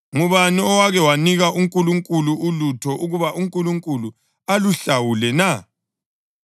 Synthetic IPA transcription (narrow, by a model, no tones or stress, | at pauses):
ŋuβaniɔwaɣɛwaniɣaʔuŋkʼuluŋkʼuluʔulutʰɔʔuɣuβaʔuŋkʼuluŋkʼulu | aluɬawulɛna